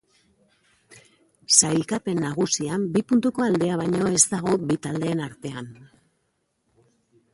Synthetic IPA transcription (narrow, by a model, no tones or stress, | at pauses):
sajlkape̞nːaɣ̞usiambipunt̪uko̞ald̪e̞aβ̞ajɲo̞e̞zt̪aɣ̞o̞bit̪ald̪e̞ːnaɾt̪e̞an